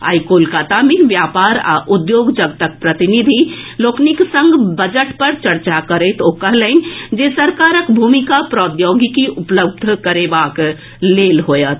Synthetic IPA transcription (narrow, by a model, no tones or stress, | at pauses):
a̰ːjkoːlkaːt̪amẽʋjaːpaːɾa̰ʔʊd̪joːɡd͡ʒəɡ̚t̪ək̚pɾət̪ɪnid̪ʱiloːkniksə̃ŋɡbəd͡ʒəʈpəɾt͡ʃəɾt͡ʃakəɾet̪oːkəɦlẽnd͡ʒesəɾkaːɾəkbʱuːmikapɾɔːd̪joːɡikiʔʊpləb̚d̪ʱkəɾebaːk | leːlɦoːjət̪ʰ